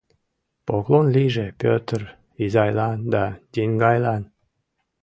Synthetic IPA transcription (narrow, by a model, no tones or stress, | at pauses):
poklonliʒepʲøt̪ər | izɑjlɑnd̪ɑd̪ʲinɡɑjlɑn